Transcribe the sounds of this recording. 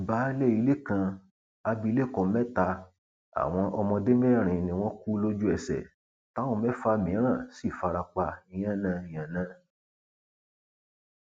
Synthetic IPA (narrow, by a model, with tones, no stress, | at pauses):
i˨ba˨˦lɛ˦˨i˨˧˦le˦kã˧ | a˧bi˧le˦˨kɔ̃˨˧˦mɛ˦ta˧ | a̰˨w̃ɔ̃˧ʔɔ˧mɔ̃˧de˦me˦˨ɾ̃ĩ˨nĩ˧w̃ɔ̃˦ku˦lo˦d͡ʒu˦ɛ˨sɛ̰˨ | ta˦wõ˦˧˦mɛ˦fa˧mĩ˨˦ɾ̃ã˦˨si˦˨fa˧ɾa˧k͡pa˧ĩ˧j̃ã˦˨nã˧˦ĩ˨j̃ã˨nã˦